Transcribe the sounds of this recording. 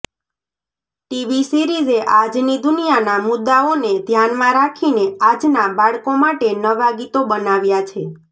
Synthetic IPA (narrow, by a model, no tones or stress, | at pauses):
ʈiʋisiɾizeʔad͡ʒnid̪ʊnijanamʊd̪ːaoned̪ʱjanmãɾakʰinead͡ʒnabaɭkomaʈenəʋaɡit̪obənaʋjat͡ʃʰe